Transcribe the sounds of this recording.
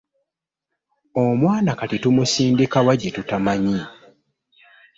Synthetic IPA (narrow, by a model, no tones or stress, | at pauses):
omwaːnakatitumusiːndikawaɟːetutamaɲi